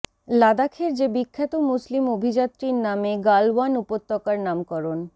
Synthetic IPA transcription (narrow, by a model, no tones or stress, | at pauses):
lad̪akʰeɾd͡ʑebikʰːet̪omuslimobʱid͡ʑat̪ːɾiɾnameɡalwanupot̪ːɔkaɾnamkɔɾon